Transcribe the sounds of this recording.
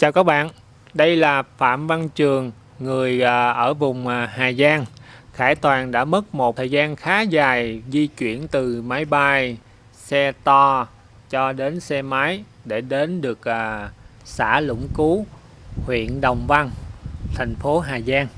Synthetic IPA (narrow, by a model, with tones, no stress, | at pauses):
t͡ɕaː˨˩wkaː˦˥k̚ɓa̰ː˧˨n | ɗə˧jlaː˨˩fa̰ː˧˨mva˧nt͡ɕɨ˨˩əŋː | ɨ˨˩əjʔʔəː˧˩vʊ˨˩ŋ͡mɦaː˨˩zaː˧ŋxaː˧˩t̪waː˨˩nɗa̰ː˧˥mə˦˥t̚mo˨˩t̚t̪ʰəː˨˩jzaː˧nxaː˨˦zaː˨˩jzi˧t͡ɕwḭ˧˨ənt̪ɨ˨˩maː˨˦jɓa˧j | sɛ˧t̪ɔ˧ | t͡ɕɔ˧ɗe˨˦nsɛ˧maː˨˦j | ɗe˧˩ɗe˨˦nɗɨ˨˩ək̚ʔsa̰ː˧˩lʊ̰˧˥ŋ͡mku˨˦ | hwḭ˧˨ənɗə˨˩wŋ͡mva˧nt̪ʰa˨˩jŋ̟fo˨˦ɦaː˨˩zaː˧ŋ